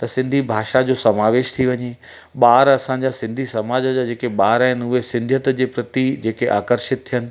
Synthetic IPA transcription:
t̪ɐsɪ̃nd̪ʱibʱaːʃad͡ʑoːsɐmaːʋeːʃt̪ʰiʋɐɲe | ɓaːɾɐsãɲd͡ʑasɪ̃nd̪ʱisɐmaːd͡ʑəd͡ʑad͡ʑeːkeɓaːɾaɦɪnʊɦesɪ̃nd̪ʱjət̪d͡ʑeːpɾɐt̪id͡ʑeːkeʔaːkəɾʃɪt̪̚t̪ʰijənɪ̆

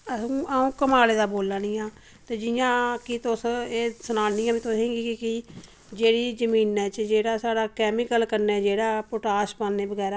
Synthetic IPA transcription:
əsũːaːũːkəmaːleːd̪aːboːlːaːniːãː | t̪eːd͡ʒɪjãːkit̪ʊseːsənaːnĩːaːmĩːt̪oɦẽːɡiːkɪkɪ | d͡ʒeːɽiːzəmiːnɛːt͡ʃd͡ʒeːɽaːsaːɽaːkɛːmɪkəlkəɾnɛːd͡ʒeːɽaːpoʈaːʃpãːnneːbəɡɛːɾaː

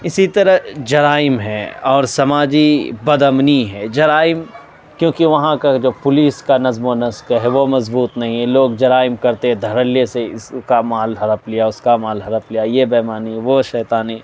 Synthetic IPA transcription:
ɪsit̪ɐɾəɦd͡ʒɐɾaːɪmɦɛɔːɾsɐmaːd͡ʒibɐd̪əmniɦɛːd͡ʒɐɾaːɪm | kjõːkiʋɐɦãkad͡ʒoːpʊliːskanɐzmonɐskɦɛʋomɐzbuːt̪nɐɦĩɦɛ̃loːɡd͡ʒɐɾaːɪmkɐɾt̪eɦɛ̃d̪ʱɐɾəlijeseɪskamaːlɦɐɾəplijaʊskamaːlɦɐɾəplijajebɛːmaːniʋoʃɛːt̪aːne

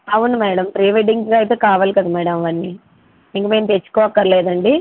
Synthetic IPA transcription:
ɐʋunɐmɛːɽɐmpɾiːʋeɖiŋɡɡaːɐjt̪eːkaːʋaːlikɐd̪ɐmɛːɽɐmʋɐnːi | iŋkɐme̞ːmt̪et͡ʃːu̥kɔːɐkːɐɾɐlɛːd̪ɐɳɖi

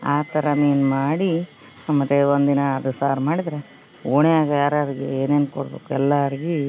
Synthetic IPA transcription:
aːt̪ɐɾɐmeːnmaːɽi | mːɐt̪ːeond̪inɐːd̪usaːɾmaːɽid̪ɾe | oːɳeaːɡɐjaːɾaɾiɡeeːneːnkoɽbḛːkuɛlːaɐɾiɡi

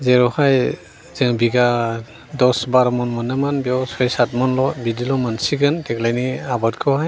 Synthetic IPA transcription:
zɛɾɔhaj | zɛŋbiɡa | dɔsbaɾɔmɔnmɔnɯmanbiɔsɔjsatmɔnlɔbidilɔmansiɡantɛklajniabatkʰɔhaj

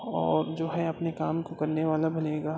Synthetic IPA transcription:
ɔːɾd͡ʒoːɦɛɐpnekaːmkokɐɾneʋaːlabɐneːɡaː

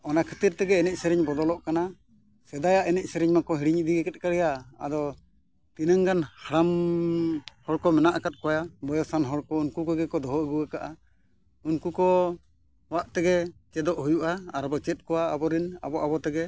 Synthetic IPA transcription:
ɔnakʰə̥t̪iɾt̪ɛɡɛːnɛc̚ˀsɛɾɛɲbɔd̪ɔlɔʔkana | sɛd̪ajaʔɛnɛc̚ˀsɛɾɛɲmakɔɦiɽiɲd̪iɡɛkɛt̪̚kaɽɛjaa̰d̪ɔ | t̪inəŋɡanhaɾam | hɔɽkɔmɛnaʔakat̪̚ˀkɔjabɔjɔsanɦɔɽkɔunkukɔɡɛkɔd̪ɔɦɔəɡuakaʔa | unkukɔ | waʔt̪ɛɡɛt͡ʃɛd̪ɔʔɦujuʔaːɾɔbɔt͡ʃɛt̪̚ˀkɔwaabɔɾina̰bɔʔabɔt̪ɛɡɛ

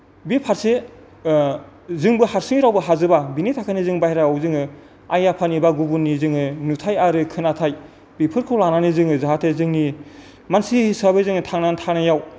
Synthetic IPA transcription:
bipʰaɾse | zɯŋbɯhaɾsɯŋiɾawbɯɦazɯbabinitʰakʰanizɯŋbahɾaawzɯŋɯ | ajapʰanibaɡubunːizɯŋɯnutʰajaɾɯkʰɯnatʰaj | bipʰɯɾkʰɯlananizɯŋɯzaɦatʰezɯŋni | mansihisabɯzɯŋɯtʰaŋnantʰanajaw

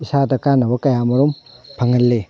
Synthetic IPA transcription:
isadɐkanːɐbɐkɐjamɐɾumpʰɐŋɐlːe

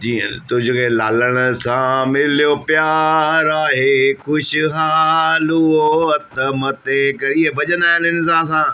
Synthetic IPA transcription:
d͡ʑiːənt̪ʊd͡ʑʊkʰelaːləɽ̃ʊ̆sãmɪlijopjaːɾaːɦexʊʃɪ̆ɦaːluoɐt̪mɐt̪ekɐɾiɦebɐʄə̃naːɦɪnɪns̬ãs̬ãː

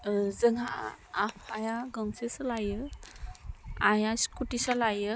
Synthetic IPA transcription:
zəŋa̰ːpʰajaɡəŋsesalajə | ajaskʰuʈisalajə

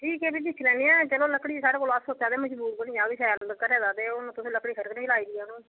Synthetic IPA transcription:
ʈʰiːkɛːbiːd̪ɪkʰlɛ̃ːniːɛ̃ːt͡ʃəlõːləkɽiːsaːɽeːkoːloasoːt̪aːd̪eːməd͡ʒbuːɾkənĩːd͡ʒãːʋiːsʰɛːlkəɾɛːd̪aːd̪eːonõːt̪ʊsĩːləkːɽiːkʰəɾkənẽːt͡ʃlaːiːd̪iːɛnũː

